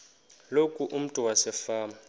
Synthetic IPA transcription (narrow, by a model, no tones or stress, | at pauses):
lokʼuʔum̩tʼuwasɛfaːma